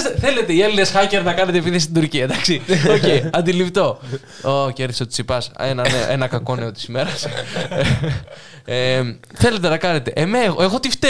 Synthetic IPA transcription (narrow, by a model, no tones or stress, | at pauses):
seθele̞t̪e̞ielinesxɐce̞ɾnɐkɐne̞t̪epiðist̪id̪uɾciɐd̪ɐksio̞ceiɐnd̪ilipt̪o̞ | oceɾðisot̪i̥sipɐsenɐneo̰ʔenɐkɐko̞neo̞t̪i̥sme̞ɾɐs | e | θe̞le̞t̪̬e̞nɐkɐne̞t̪e̞ʔemeɣoe̞ɣo̞t̪ift̪e